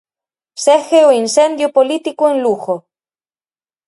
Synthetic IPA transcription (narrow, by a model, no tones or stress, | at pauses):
sexeoinsend̪jopolit̪ikoenluxo